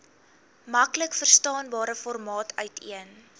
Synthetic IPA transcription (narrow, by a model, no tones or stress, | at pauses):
mɐkləkfərstɑːnbɑːɾəfɔrmɑːtʰœɥtʰḭən